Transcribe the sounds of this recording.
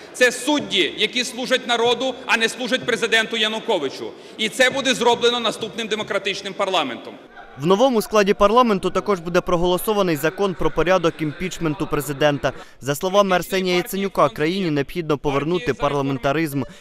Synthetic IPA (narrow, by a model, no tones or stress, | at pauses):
t̪sɛsudʲːijɐkʲislˠuʒɐtʲnɐɾɔd̪ʊɐnɛslˠuʒɐt̚ʲpɾezɪd̪ɛnt̪ʊjɐnʊkɔʋɪt͡ʃʊ̰ | it̪sɛbud̪ɛzɾɔblˠenɔnɐst̪upnɪmd̪emɔkɾɐt̪ɪt͡ʃnɪmpɐrlˠɑment̪ɔm | wnɔʋɔmʊsklˠɑdʲipɐrlˠɑme̞nt̪ʊt̪ɐkɔʒbud̪ɛpɾɔɦɔlˠɔsɔʋɐnɪjzɐkɔnpɾɔpɔɾʲad̪ɔkimʲpʲit͡ʃment̪ʊpɾe̞zɪd̪ɛnt̪ɐ | zɐslˠɔʋɑmɛrsɛnʲijɐjit̪senʲʊkɑkɾɐjinʲineɔbxʲid̪̚nɔpɔʋernut̪ɪpɐrlˠɐme̞nt̪ɐɾɪzm